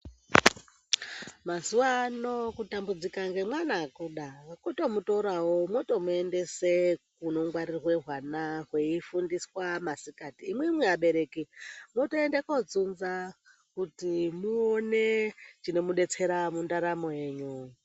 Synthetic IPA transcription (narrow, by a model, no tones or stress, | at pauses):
mazuʋaːno̞kutambud͡zikaŋɡe̞mwanakuɗakuto̞muto̞ɾawo̞mwo̞to̞mue̞nde̞sekuno̞ŋɡwaɾirwe̞ɦwanaɦweifundiswamasikatiːmweimweaɓe̞ɾe̞kimotoendekod͡zunza | kutimuonet͡ʃino̞muɗe̞t͡se̞ɾamundaɾamoe̞ːɲu